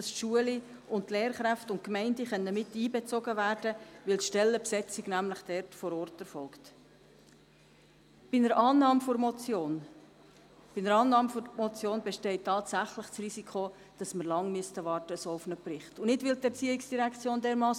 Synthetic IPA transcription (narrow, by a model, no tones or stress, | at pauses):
dɑsʃuəli | ʊntleːɾχɾæftʊnt̚kmɛɪndəχœnːəmɪtːiːbɛt͡soɡəvæːɾd̥əʋɪlt̪ʃtɛlːəpsɛt͡sɪɡnæmləχd̥ɛɾtfɔɾɔːrtɛɾfɔlkt | b̥ɪnəɾɑːnɑːmfoɾmɔon | b̥ɪnəɾɑːnɑːmmɔt͡sjoːnbɛʃtɛɪtʰːɑːtsæχləχsrisikʰχo | d̥ɑsməɾlɑŋmystəʋɑːrtəsoʊfnəprɪχtʊnɪtʋɪltɛɾt͡siːɪksd̥iɾækt͡sjoːndɛːɾmɑːs